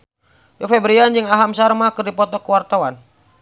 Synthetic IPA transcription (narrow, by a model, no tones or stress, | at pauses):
jofɛbɾiand͡ʒɨŋaɦamsarmakɨrdipɔt̪ɔkuwart̪awan